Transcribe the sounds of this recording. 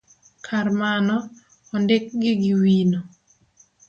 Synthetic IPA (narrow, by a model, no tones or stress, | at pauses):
kʰarmanɔ | ɔndek̚ɡɪɡɪwino